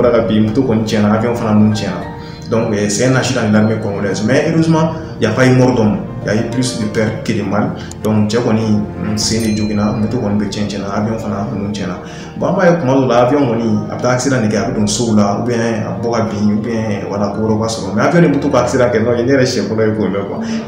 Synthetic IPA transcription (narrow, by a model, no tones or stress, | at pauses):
ɾakabĩmutokɔnĩt͡ʃɛ̃nãaviɔ̃ufananũt͡ʃɛ̃nã | dɔ̃ŋkɛsɛ̃ɛ̃naʃidãnelaɾmekɔ̃olaasmɛ̃eɾozimã | jafajemɔɾɔdɔ̃mã | jajeplisdepɛɾkelẽmal | dɔ̃ŋkt͡ʃɛkɔnĩsẽded͡ʒoɡinamutokɔnĩbɛt͡ʃɛ̃t͡ʃɛ̃nãːviɔ̃ũfananũt͡ʃɛ̃nã | babajekũmalɔ̃laafiɔ̃kɔnĩa̰bɛtaːki̥seɾãndekɛabɛdõsoulaṵbɛɛ̃a̰bɔkabĩubɛ̃walakobɔɾɔukasɔɾɔmɛafiɔ̃nebutukaaki̥seɾãkɛnɔ̃jenejɛɾɛʃɛ̃bɔlɔjekolɛkwã̰